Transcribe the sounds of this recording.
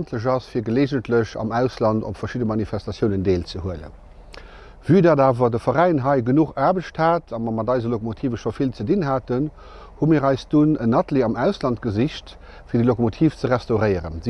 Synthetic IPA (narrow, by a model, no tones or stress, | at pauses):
ntʰləʑɑsfiːɐɡəleːʒəntləɕɑ̰mæʊslɑndo̰pfɐʃidəmɑnifæstɑsjəʊnəndeːlt͡səhuələ̰ | vyːdaːdaːvɐdəfɐʁæɪnɦɑɪɡənuχaːbəʃthaːtʰɑmɑmɑdɑɪzɐlokomotʰiːvəʃofilt͡sədinɦaːtən | humiːʁɑɪsd̥unənɑtliɑmæʊslɑnt̚ɡəziɕt | fiːɐdəlokomotʰiːft͡səʁæstɑʊʁəɪəʁə̰nz